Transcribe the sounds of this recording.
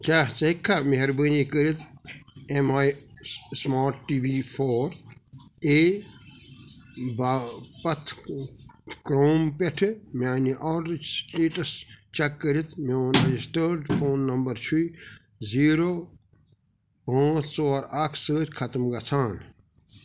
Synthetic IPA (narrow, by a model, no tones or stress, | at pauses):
kaːt͡sɐikʰːameɦɐɾbənikəɾit̪ʰemajsmaːʈʈiːbipʰɔːɾ | eː | bapɐt̪ʰ | kɾoːmpeʈʰmaːniʔɔːɾsʈeːʈɐst͡ʃɐkːəɾit̪meonɐd͡ʒisʈəːɾɖpʰoːnːɐmbɐɾt͡ʃʰui | ziːɾoː | õːsoːɾakʰsəːt̪kʰɐt̪mɡɐt͡sʰaːn